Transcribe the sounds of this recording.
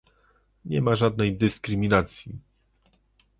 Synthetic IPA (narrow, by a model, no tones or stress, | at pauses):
ɲɛmaʐad̪̚nɛjd̪ɘskɾɘmʲinat̪sʲji